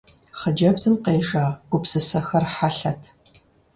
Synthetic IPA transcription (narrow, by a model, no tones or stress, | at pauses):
χəd͡ʒɐbzɨmqeːʒaːɡʷʊpsɨsɐxɐrħaɬɐtʰ